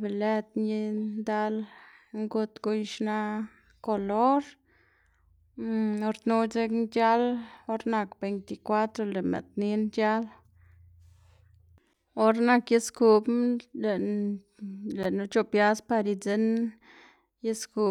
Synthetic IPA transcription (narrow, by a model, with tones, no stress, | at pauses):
be˨le˦t̪ni˦nd̪a˦lŋɡu˧t̪ɡu˧jʃna˦ | ko˧lo˦ɾ | o˧ɾnu˦t͡se˦knd͡ʒa˦lo˦ɾna˧kbe˨jnt̪i˨kwa˦t̪ɾo˧le˨mḛ˨t̪ni˦nd͡ʒa˦l | o˦ɾna˧kje˦sku˨ble˨ | le˨nu˦t͡ʃo˧pja˦spa˧ɾi˧t͡se˦n | je˦sku˧˨